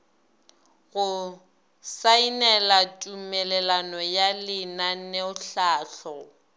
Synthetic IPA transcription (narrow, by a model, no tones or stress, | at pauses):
ɣʊ | sainɛlatʼumɛlɛlanɔjalɪnaneʊɬaːɬɔ